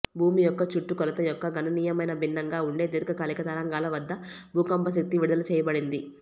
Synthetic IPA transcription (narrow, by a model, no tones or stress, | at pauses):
bʱuːmijɔkːɐt͡ʃuʈːukɔlɐt̪ɐjɔkːɐɡʱɐnɐniːjɐmɐjnɐbʱinːɐŋɡaːuɳɖe̞ːd̪iɾkɐkɐːlikɐt̪ɐɾɐŋɡaːlɐʋɐd̪ːɐ | bʱuːkɐmbɐs̬ɐk̚t̪iʋiɽud̪ɐlɐt͡ʃɛːjɐbɐɽind̪i